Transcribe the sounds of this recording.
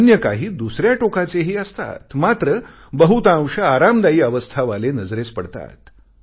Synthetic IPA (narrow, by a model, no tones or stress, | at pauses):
njəkaɦiːd̪usɾjaʈokat͡seɦiːəst̪a̰t̪mat̪ɾə | bəɦut̪ãw̃ʂəaɾamd̪aiːəʋəst̪ʰaʋalenəd͡zɾet͡spəɽt̪a̰t̪